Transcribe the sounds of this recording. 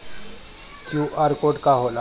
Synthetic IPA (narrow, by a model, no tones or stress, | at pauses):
kjuʔaɾkoʈkaɦola